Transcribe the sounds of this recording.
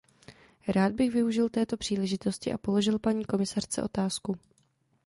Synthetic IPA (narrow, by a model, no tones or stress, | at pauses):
ɾaːd̪̚bɪɣvɪuʒɪlt̪ɛːt̪o̞pr̝̥iːlɛʒɪt̪o̞scɪʔa̰po̞lo̞ʒɪlpaɲiːko̞mɪsar̝̥t͡sɛ̰ʔo̞̰t̪aːsku